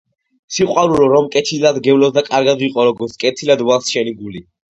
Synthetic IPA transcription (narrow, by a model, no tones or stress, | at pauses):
siqʼwaɾuɾɔɾɔmkʼɛt̪ʰilad̪ɡɛvlɔsd̪akʼaɾɡad̪wiqʼɔɾɔɡɔɾt̪skʼɛt̪ʰilad̪walˠsʃɛniɡuli